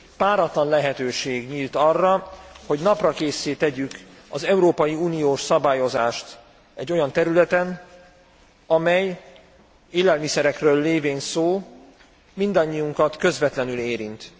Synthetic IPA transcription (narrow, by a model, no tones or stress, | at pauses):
paːɾɒt̪lɒnlɛɦɛt̪øːʃeːɡɲiːlt̪ɒrːɒho̞ɟnɒprɒkeːseːt̪ɛɟyk | ɒzɛuɾoːpɒjiuːnijoːʃsɒbaːjo̞zaːʃt̪ | ɛɟːo̞jɒnt̪ɛɾylɛt̪ɛn | ɒmɛj | eːlɛlmisɛɾɛkrøːlːeːveːnsoː | mind̪ɒɲːijuŋkɒt̪kø̞zvɛt̪lɛnyleːɾint̪